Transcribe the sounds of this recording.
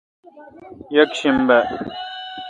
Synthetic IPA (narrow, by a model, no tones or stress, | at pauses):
jɐkɕimbe